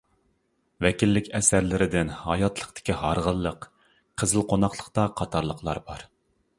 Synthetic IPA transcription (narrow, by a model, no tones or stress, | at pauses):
vɛkʲilːɪkʲɛsæɾlɪɾɪd̪ɪnhɑ̰jɑt̪lˠəqt̪ɪ̥kʲiɦɑɾʁəlˠːəq | qʰəzɨlˠqʰonɑχlˠəqt̪ɑqʰɑt̪ʰɑɾlˠəqlˠɑ̰ɾbɑɾ